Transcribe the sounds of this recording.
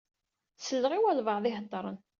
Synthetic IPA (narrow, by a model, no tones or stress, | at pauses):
səlːʁiwælvəʕðˤɪɦət̪ˤːɾˤən